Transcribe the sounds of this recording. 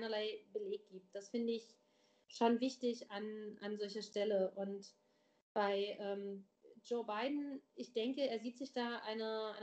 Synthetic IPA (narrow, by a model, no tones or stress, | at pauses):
ɪnɐlaɪb̥əleːk̚ɡ̥iːp̚t̚d̥asfɪndəɪç | ʃoːnvɪçtɪçanʔa̰nzɔlçɐʃtɛləʔʊnt | b̥aɪʔɛːm | d͡ʒoːbaɪdn̩ɪçd̥ɛŋkəeːɐziːtz̥ɪçd̥aːʔaɪnəʔaɪ